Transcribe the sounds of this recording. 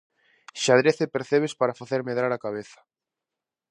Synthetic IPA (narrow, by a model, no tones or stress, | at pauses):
ʃaðɾeθepeɾθeβ̞espaɾafaθeɾmeðɾaɾakaβ̞eθḁ